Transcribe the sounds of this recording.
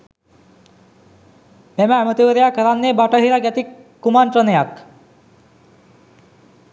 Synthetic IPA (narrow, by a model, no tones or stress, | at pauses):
meməːmət̪iʋəɾejakəɾanːebaʈəɦiɾaɡæt̪ikː | umanʈɾənejak